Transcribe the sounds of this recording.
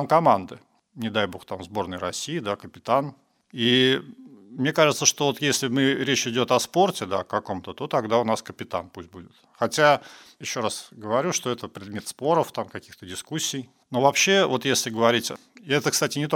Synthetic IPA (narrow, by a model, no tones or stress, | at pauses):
mkɐmand̪ɨ̰ | nʲɪd̪ajbo̞xt̪amzbo̞rnəjɾɐsʲijɪd̪akəpʲɪt̪an | i | mnʲekaʐɨt̪səʂt̪ovo̞t̪jesʲlʲɪmɨɾʲet͡ɕɪdʲo̞t̪ɐspo̞rtʲɪd̪a̰kɐko̞mt̪ət̪o̞t̪ɐɡd̪aʊnaskəpʲɪt̪a̰nput̚ʲbudʲɪt̪xɐtʲa | jɪɕːo̞ɾasɡəvɐɾʲuʂt̪o̞ɛt̪əpɾʲɪd̪mʲe̞t̪spo̞ɾəft̪amkɐkʲixt̪ədʲɪskusʲːɪj | novɐpɕːe̞vo̞t̪jesʲlʲɪɡəvɐɾʲitʲɛt̪əkst̪atʲɪnʲɪt̪o